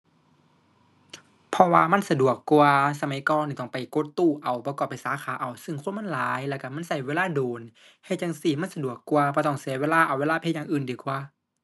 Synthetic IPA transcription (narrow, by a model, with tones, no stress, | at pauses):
pʰɔ˧waː˧ma˧˥˨nsa˧du˨˩əkːu˧əsa˧ma˨˧˦jkɔː˧˨nːiː˧˩t̪ɔ˧˩ŋpa˨˩jko˧˦t̪ːuː˧˩ʔa˨˩wpɔ˧˦kɔː˧˩pːa˨˩jsaː˨˦kʰaː˨˦ʔa˨˩wsɯ˧˩ŋkʰo˧˥˨nma˧˥˨laː˨˦jlɛː˧˩ka˧˩ma˧˥˨nsa˧˩jweː˧˥˨laː˧˥˨doː˨˩n | ha˧˩jt͡ɕa˧˨ŋsiː˧˩ma˧˥˨nsa˧du˨˩əkːu˧əpʰɔː˧˩t̪ɔ˧˩ŋsi˨˧˦weː˧˥˨laː˧˩˨ʔa˨weː˧˥˨aː˧˥˧pʰe˧˥˩jaː˧˨ŋʔɯː˨˩ndiː˨˩˦kwaː˧˦